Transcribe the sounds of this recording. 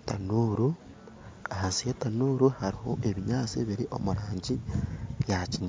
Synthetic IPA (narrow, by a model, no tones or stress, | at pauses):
tanuːɾu | ahasijetanuːɾuhaɾiho̞ʔeβiɲaːt͡seβiɾiʔo̞̰muɾaːɲɟijaciɲa